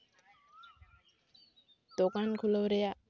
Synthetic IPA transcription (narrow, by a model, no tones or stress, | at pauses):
d̪̥okankʰuləwɾeja